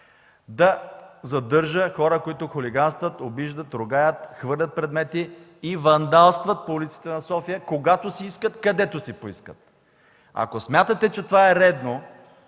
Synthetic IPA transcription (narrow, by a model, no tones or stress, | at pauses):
d̪ɐzɐd̪ɤɾʒəxɔɾəkoit̪ʊxoliɡanst̪vət̪obiʒd̪ət̪ɾʊɡajət̪xvɤɾlʲət̪̚pɾɛd̪mɛt̪iː | vɐnd̪alˠst̪vɐt̪̚poulit̪si̥t̪ɛnɐsɔfijəkoɡat̪osiiskət̪kɐd̪ɛt̪ʊsipoiskət̪̚ | ɐ̰kosmʲjat̪ət̪ɛt͡ʃɛt̪ovaɛɾɛd̪no